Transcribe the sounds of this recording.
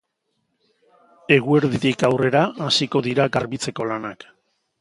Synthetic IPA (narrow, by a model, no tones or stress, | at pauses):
e̞ɣue̞ɾðitikawre̞ɾaːsiko̞ðiɾaɣaɾβit͡se̞ko̞lanak